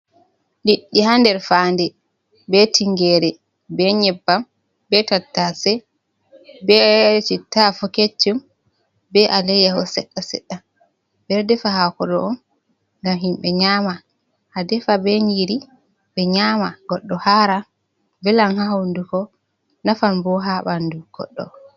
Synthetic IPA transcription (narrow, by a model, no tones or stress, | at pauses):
liɗːihandɛɾfaːndɛ | bɛtʰiŋɡɛːɾɛ | bɛɲɛbːam | bɛtatːasɛ | bɛt͡ʃitafɔket͡ʃːum | bɛʔalɛjahɔsɛɗːasɛ̰ɗːa | bɛɾdɛfaɦakɔɗɔɔn | ŋɡamɦimɓɛɲama | hadɛfabɛɲiɾi | bɛɲaːmaɡɔɗːɔhaɾa | bɛlanhahawndukɔ | nafanbɔɦaɓanduɡ̥ɔ̰ɗːɔ̰